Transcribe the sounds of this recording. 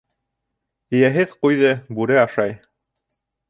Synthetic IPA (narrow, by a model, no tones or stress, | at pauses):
ɘ̆jæɦɘðqujðɤbʉɾɘɑʃɑj